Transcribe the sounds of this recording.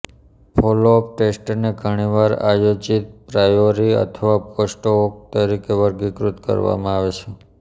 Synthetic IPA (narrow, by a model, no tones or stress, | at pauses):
pʰolop̚ʈesʈneɡʱəɽ̃iʋaɾa̰jod͡ʒit̪̚pɾajoɾiə̰t̪ʰəʋaposʈok̚t̪əɾikeʋəɾɡikɾut̪kə̰ɾʋa̰mãaʋet͡ʃʰe